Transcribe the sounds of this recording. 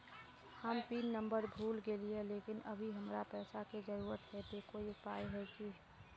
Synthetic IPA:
həmpiːnːə̃mbəɾbʱuːlɡelieleːkɪnəbʱiɦəmɾapɛːsaked͡ʒəɾuːɾət̪ɦɛt̪okoːipaːjɦɛki

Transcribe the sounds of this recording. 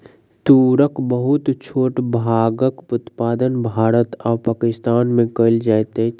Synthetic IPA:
t̪uːɾəkbəɦʊt̪t͡ʃʰoːʈbʱaːɡəkʊt̪paːd̪ənbʱaːɾət̪ɔːpaːkɪst̪aːnmẽkəɪld͡ʒaːjt̪e

